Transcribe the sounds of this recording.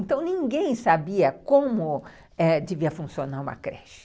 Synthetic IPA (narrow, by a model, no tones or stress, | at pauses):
ẽnt̪ɐ̃w̃nĩŋɡẽj̃sabiɐkõmʊ | ɛd͡ʒɪviɐfũsionaɾũmɐ̰kɾɛ̰ʃɪ̥